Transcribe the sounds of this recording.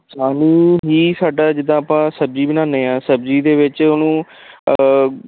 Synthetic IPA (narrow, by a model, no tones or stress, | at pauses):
saːniːɦiːsaːɖaːd͡ʒɪd̪ãːəpãːsəbziːbɪnãːneːãːsəbziːd̪eːʋɪt͡ʃʊnũː